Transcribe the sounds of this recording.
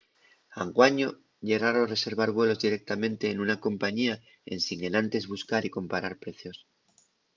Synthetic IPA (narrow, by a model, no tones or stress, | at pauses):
aŋɡwaɲo̞ | ʎe̞ɣaɾore̞se̞ɾβ̞aɾβ̞we̞lo̞zðiɾe̞k̚t̪amẽ̞nt̪e̞ːnunako̞mpaɲia | e̞̰nsiŋe̞nãnt̪e̞zβuskaɾiko̞mpaɾaɾpɾe̞θjo̞s